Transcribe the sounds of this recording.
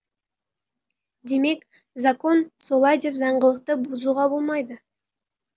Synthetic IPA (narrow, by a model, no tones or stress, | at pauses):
d̪e̞me̞k | zako̞nso̞lˠɑjd̪e̞pzɑɴʁəlˠəq̚t̪əbʊzuʁɑbo̞lˠmɑjd̪ə